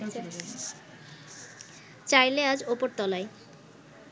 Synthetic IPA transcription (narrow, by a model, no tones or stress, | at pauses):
t͡ɕajlead͡ʑopoɾt̪ɔlae